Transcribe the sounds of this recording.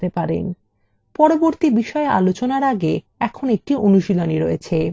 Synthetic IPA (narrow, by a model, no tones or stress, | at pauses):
t̪epaɾḛn | pɔɾoboɾt̪ibiʃɔeʔa̰lot͡ɕonaɾaɡe | ɛkʰonek̚ʈionuʃiloniɾojet͡ɕʰe